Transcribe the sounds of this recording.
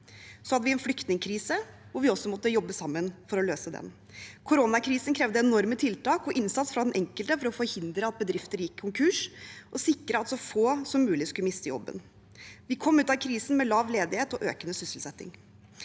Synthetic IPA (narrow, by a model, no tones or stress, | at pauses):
sɔhɑd̪ːəʋɪɛnflʏkt̪nɪŋkʰɾiːsəʋʊɾʋɪɔsɔmɔt̪ːəjɔbːəsɑmːənfɔɾɔløːsəd̪ɛ̰n | kʰʊɾonɑkʰɾiːsn̩kʰɾɛʋd̪əɛnɔɾmət̪ʰɪlt̪ɑːkɔʔɪnsɑt̪sfɾɑd̪ɛnʔɛŋkəlt̪əfɔɾɔfɔɾhɪnd̪ɾəɑt̪̚bəd̪ɾɪft̪əɾjɪkʰːʊŋkʰʉːʂʔɔsɪkːɾəɑt̪sɔfoːsɔmːʉːlɪskʉləmɪst̪əjɔ̰bːə̰n | ʋɪkʰɔmːʉːt̪ɑkʰɾiːsn̩mɛlɑːʋleːd̪ɪheːt̪ɔʔøːkənəsʏslsɛt̪ːɪ̰ŋ